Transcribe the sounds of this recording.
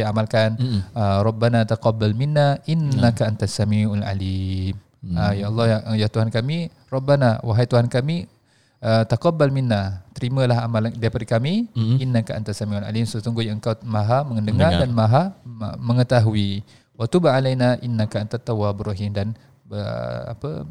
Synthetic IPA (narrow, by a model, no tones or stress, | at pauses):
iamalkanəɾˤɑbːanat̪aqɑbːalminːaʔinːakaʔant̪asamiʔala̰lim | əjaʔɑlˠˤːɑjjaht̪uɦankami | rˤɑbːanawaɦajt̪uɦankami | ət̪aqɑbːalminːat̪əɾiməlaɦamalandajpadikamiinːakaʔant̪asamiʔala̰limsot̪uŋɡujəŋkawmaɦaməŋəndəŋadanmaɦa̰məŋət̪aɦui | wat̪ubaʕalajnaʔinːakaʔant̪at̪ːawabrɔɦimdan | bəə̰a̰pə̰